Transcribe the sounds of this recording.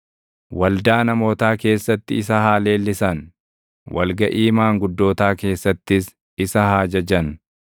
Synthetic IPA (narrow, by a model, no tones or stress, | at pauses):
wɐld̪aːnɐmo̞ːt̪aːke̞ːsːɐt̪ːɪɪsɐhaːle̞ːlːɪsɐn | wɐ̰lɡɐʔiːmaːŋɡʊd̪ːo̞ːt̪aːke̞ːsːɐt̪ːɪs | ɪsɐhaːd͡ʒɐd͡ʒɐn